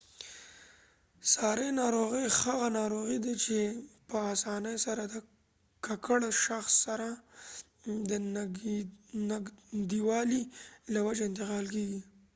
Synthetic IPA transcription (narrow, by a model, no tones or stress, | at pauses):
sɑɾenɑɾoɣəjxaɣanɑɾoɣid̪at͡ʃepəɑsɑnəjsaɾad̪ə | kakəɽʃaxsːaɾa | d̪ə | naɡd̪iwɑlilawad͡ʒeɪnt̪̬ɪqɑlk̬eɡi